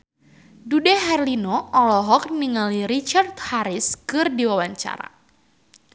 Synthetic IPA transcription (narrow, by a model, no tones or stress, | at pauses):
dudɛɦɛrlinoɔlɔɦɔk̚niŋaliɾit͡ʃart̪haɾɪskɨrdiwawaɲt͡ʃa̰ɾa̰